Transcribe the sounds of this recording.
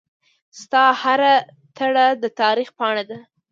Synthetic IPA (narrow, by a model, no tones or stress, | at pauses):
st̪ɑhaɾa | t̪əɽad̪ət̪ɑɾixpəɑɽ̃ad̪a